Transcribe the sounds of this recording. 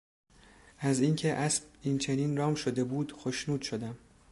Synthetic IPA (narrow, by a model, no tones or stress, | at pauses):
ʔæziːncʰe̞ʔæsbiːnt͡ʃʰe̞niːnrɒːmʃod̪e̞buːd̪̥xoʃnuːd̪̥ʃo̞d̪æm